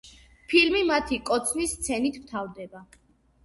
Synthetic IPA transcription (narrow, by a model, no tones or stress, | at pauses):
pʰilmimat̪ʰikʼɔt̪sʰnisːt̪sʰɛnit̪ʰmt̪ʰavd̪ɛba